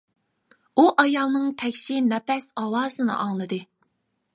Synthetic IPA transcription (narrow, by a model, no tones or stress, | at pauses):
uʔɑjɑlˠnɨŋt̪ʰɛkʲʃinɛpɛsɑwɑːsɨnɨ̰ʔɑŋlˠɨd̪ɨ